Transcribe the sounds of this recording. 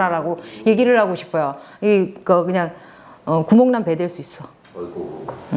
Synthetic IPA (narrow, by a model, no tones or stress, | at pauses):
aɾaɡoje̞ɡiɾɯɭhaɡoɕʰi̥pʰojo | ikʌkɯɲaŋ | ʌkumoŋnampe̞dweɭs͈uis͈ʌ